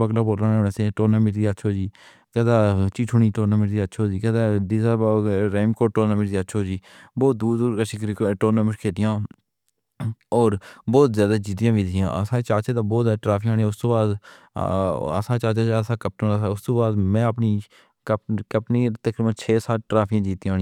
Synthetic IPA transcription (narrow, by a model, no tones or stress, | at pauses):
bəɡlaːpoːɾãːnenesẽːʈoːnãːmɪʈd̪iətːʃʰoːd͡ʒiː | kɛːd̪aːt͡ʃiːʈʰuːniːʈoːnãːmɪʈd̪iətːʃʰoːd͡ʒiːkɛːd̪aːd̪iːsaːbɾeːmkoːʈoːnãːmɪʈd̪iətːʃʰoːd͡ʒiː | bɔːt̪̚d̪uːd̪uɾaʃɪkɾʈoːnãːmɪʃkʰeːd̪ɪjãː | ɔːɾbɔːt̪zjaːd̪aːd͡ʒiːt̪ɪjãːʋiːd̪ɪjãːə̰sãːt͡ʃaːt͡ʃeːd̪ãːbɔːt̪zʈɾaːpʰj̃aːɽĩjãʊst̪oːbaːd̪ | ə̰sãːt͡ʃaːt͡ʃẽːsãːkəp̚ʈõːʊst̪oːbaːd̪mɛ̃ːəpniː | kəkəpniːt̪əkɾiːbənt͡ʃʰeːsaːʈɾaːpʰjãːd͡ʒiːt̪ĩaːɽĩ